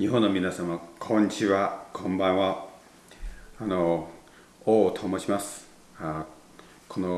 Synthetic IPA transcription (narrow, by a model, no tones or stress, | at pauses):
ɲiɦõnːomʲinasamakʰõɲ̟ːit͡ɕiβakʰõmbãɰ̃βa | ano | oːt̪ʰomoɕimasɨ̥ | a | kʰono